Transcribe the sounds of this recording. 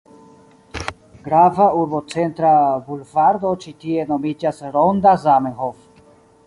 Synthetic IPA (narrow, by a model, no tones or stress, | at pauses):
ɡɾavauɾbot͡sent̪ɾabulvaɾd̪ot͡ʃit̪ienomid͡ʒasɾond̪azameɦof